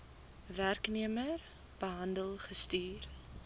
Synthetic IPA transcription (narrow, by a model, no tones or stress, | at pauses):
værkniəmər | b̥əɦɐndəlˠχəstyːr